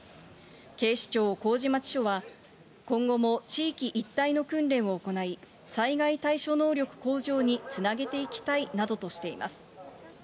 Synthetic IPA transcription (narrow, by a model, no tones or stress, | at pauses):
ke̞ːɕi̥t͡ɕo̞ːko̞ːʑimat͡ɕi̥ɕo̞βa | kõ̞ŋɡo̞mo̞t͡ɕiːkʲiʔit̪ːaino̞kɯ̃nɾẽ̞ɰ̃o̞ːko̞nai | saiɡait̪aiɕo̞no̞ːɾʲo̞kɯ̟̥ko̞ːʑo̞ːɲ̟it͡sɨnaɡe̞t̪e̞ikʲi̥t̪ainad̪o̞t̪o̞ɕi̥t̪e̞ḭma̰sɨ̥